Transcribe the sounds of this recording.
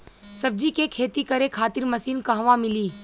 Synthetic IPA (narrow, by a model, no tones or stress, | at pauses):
sɐb̚d͡ʒikekʰeːt̪ikɐɾekʰaːt̪ɪɾmɐsiːnkɐɦʋãmɪliː